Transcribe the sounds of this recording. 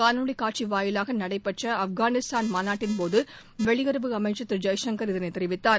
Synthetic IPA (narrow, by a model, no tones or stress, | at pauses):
kaːnuːɽikaːʈ̚t͡ʃiʋaːjɪlaːɣɐnɐɽɐɪpːɛʈrɐɐfɡaːnɪst̪ʰaːnmaːnaːʈːɪnpoːðɯ | ʋɛɭɪɣɐɾɯʋɯɐmɐɪʈt͡ʃːɐt̪ːɪɾd͡ʒɐjsɐŋɡɐɾɪðɐneɪt̪ːɛɪɾɪʋɪt̪ːaːɾ